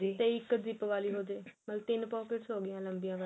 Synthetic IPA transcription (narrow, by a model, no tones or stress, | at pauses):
d͡ʒiːt̪eːɪkːəzɪpʋaːliːɦoːd͡ʒeːməlt̪ɪnpɔːkɪʈsɦoːɡɪjãːləmbijãːʋ